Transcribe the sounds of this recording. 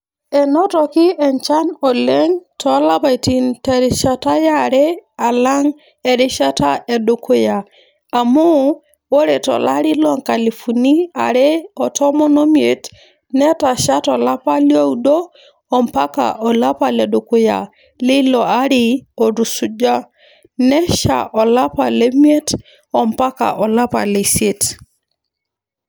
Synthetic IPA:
ɛ˨nɔ˦tɔ˨kɪ˦ɛ˨ɲt͡ʃa˦nɔ˨lɛ˦ŋtʰɔ˨˦la˦pa˨i˨ti˨ntɛ˨ɾɪ˨ʃa˦ta˦ja˦˨ɾɛ˦a˨la˦ŋ | ɛ˨ɾɪ˦ʃa˦ta˦ɛ˨do˨kʊ˦ja˨ | a˨mu˦ | wo˦ɾe˨tɔ̰˨la˦ɾɪ˦lɔ˦ŋka˨li˨fu˨ni˦a̰˨ɾɛ˦ɔ˨tɔ˦mɔ˦nɔ˦mje˨t | nɛ˦ta˨ʃa˦tɔ˨la˦pa˦ljo˦u˦do˦ | ɔ˨mpa˦ka̰˨ʔɔ˨la˦pa˨lɛ˨do˨kʊ˦ja̰˨ | lɪ˦lɔ˨a˦ɾɪ˦ɔ˨ɾu˨su˨d͡ʒa˦ | nɛ˦ʃa̰˨ʔɔ˨la˦pa̰˨le˦mje˦t | ɔ˨mpa˦ka̰˨ʔɔ˨la˦pa̰˨le˨sje˦t

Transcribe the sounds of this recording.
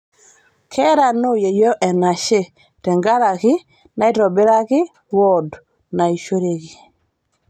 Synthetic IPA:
kʰɛ˦ɾa˨no˦je˨jo˦ʔɛ˨na˨ʃe˦ | tɛ˨ŋɡa˦ɾa˨kɪ˦ | na˨i˦ɾɔ˨bɪ˦ɾa˦kɪ˦ | wɔ˦d | na˨i˨ʃo˦ɾe˦ki˨

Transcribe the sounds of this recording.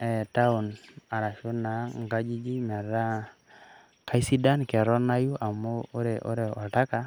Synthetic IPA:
ɛ˨ta˦ʊ˨na˨ɾa˨ʃo˦na˨ŋɡa˦d͡ʒi˦d͡ʒi˦mɛ˨ɾa˦ | ka˦i˦si˦da˦nkɛ˨ɾɔ˦na˦ju˦ʔa˨mo˦ɾe˨ʔo̰˦ɾe˨ɔ˨ta˦ka˦

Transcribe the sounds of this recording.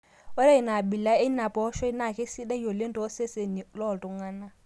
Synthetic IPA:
ɔ˦ɾa˦i˨na˨bi˨la˦e˦na˨pʼɔ˦ʃɔ˦i˦na˨kʼe˦si˦da˦jo˨le˦ntʼɔː˨˦se˦se˨ni˨lɔ˦˨ltʼu˨ŋaː˦na˦

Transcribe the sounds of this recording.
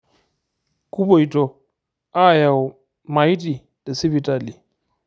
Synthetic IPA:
ku˦bo˨i˨tɔ˨ | a˦ja˨w | ma˨i˦ti˨ | da˨si˦bi˨ta˨li˨

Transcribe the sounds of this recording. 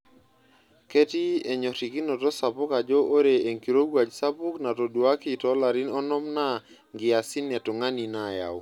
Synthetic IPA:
ke˦ti˦e˨ɲɔ˨ti˨ki˦no˨tɔ˦sa˨pʊ˦ka˨d͡ʒɔ˦ʔo˦ɾe˨e˨ŋki˨ɾo˦ɡwa˨d͡ʒsa˦pʊ˦kna˨tɔ˨dwa˦ki˦tɔ˦la˨ɾi˦nɔ˦nɔ˦mna˦ | ŋɡɪ˨a˨sɪ˦nɛ˨tɔ˨ŋa˦ni˨na˨ja̰˨w

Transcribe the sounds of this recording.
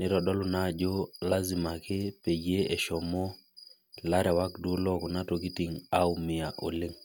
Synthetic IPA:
nɪ˦ɾɔ˨dɔ˦lʊ˨na˦˨d͡ʒo˦la˦zɪ˨ma˨kɪ˦pe˨d͡ʒe˦ɛ˨ʃɔ˨mɔ˦ | la˦ɾɛ˨wa˦kdu˦lɔ˦kɔ˨na˦to˨ki˦ti˨ŋa˦umɪ˨a˨ʔo̰˨lɪ˦ŋ

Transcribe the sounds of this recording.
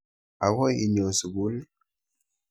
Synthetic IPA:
a˨wɔ˦jḭ˨ɲɔ˨su˨ɡu˨˦l

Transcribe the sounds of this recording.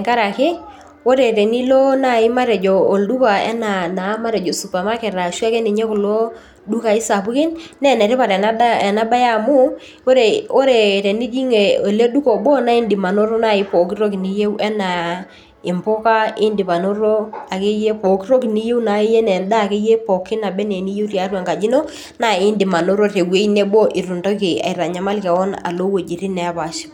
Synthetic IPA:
ŋka˦ɾa˨kɪ˦ | o˦ɾe˨ɾe˨ni˦lɔ˦na˦˨ɪ˦ma˦ɾɛ˨d͡ʒɔ˨o˨ldu˦ka˨ɛ̰˦na˨na˨˦ma˦ɾɛ˨d͡ʒo˨su˨pa˨ma˦kɛ˨ɾa˨ʃa˦ke˦ni˨ɲe˦kʊ˨lo˦ | du˦ka˨ɪ˦sa˨pʊ˦kɪ˦nnɛ˦˨nɛ˨ɾɪ˦pa˨ɾɛ˨na˦a˦ɛ˨na˦ba˦ja˦˨mʊ˦ | o˦ɾe˨o˦ɾe˨ɾe˨ni˦d͡ʒi˦ŋe˨o˨le˦du˦kɔ˨bɔ˦na˦ɪ˦ndɪ˨ma˨no˦ɾɔ˦na˦˨ɪ˦pɔ˨k̬i˦ɾo˦k̬i˨ni˦je˦wʔɛ˦na˨ | ɪ˨mpʊ˦ka˦ɪ˦ndi˨pa˨no˦ɾo˦a˨ke˦je˦po˨ki˦ro˦ki˨ni˦je˦u˦na˨˦e˦je˦nɛ˨nda˦˨ke˦je˦pɔ˨kɪ˦na˨bɛ˦ne˨ni˦je˦u˦tja˨˦rwe˨ŋka˨d͡ʒi˦no˦ | na˦˨ɪ˦ndi˨ma˨no˦ɾo˦te˨we˨˦i˦ne˦bo˦ʔɪ˨ɾu˨nto˦ke˨a̰˨i˨ɾa˨ɲa˨ma˦lkɛ˨wɔ˦na̰˨lo˦wo˨d͡ʒi˨ɾi˦nɛ˨˦pa˨ʃi̥˦

